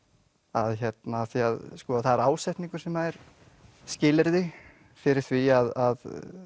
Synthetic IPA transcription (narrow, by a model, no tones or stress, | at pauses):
a̰ðçɛt̪naːθiaðskɔːaθaðɛɾaːwsɛht̪niŋkʏɾ̥sɛmaðɛɾ̥ | scɪːlɪɾðɪ | fɪɾɪɾ̥θviaðað